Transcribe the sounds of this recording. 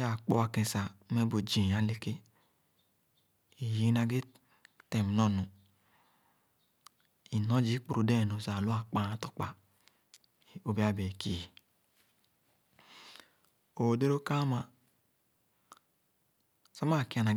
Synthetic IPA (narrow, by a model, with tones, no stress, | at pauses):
a˨k͡pɔ˧wa˧kẽ˨˧˨sa˨˦mɛ˦bo˨d͡ʒi˨a˨le˦ke˦ | i˨ji˦na˧ɡe˦ | tɛ˨m˨nɔ˦˨nũ˨ | i˨nɔ˦d͡ʒi˦k͡pu˨ɾu˨˦dɛ˦˨no˨sa˨lu˦a˦˨k͡pa˧˨a˦tɔ̥˨k͡pa˧˨ | o˦bi˦a˦be˨ki˨i˨ | o˨o˨de˦ɾo˦ka˦ma˧ | sa˦ma˦˨ki˨˦a˧na˨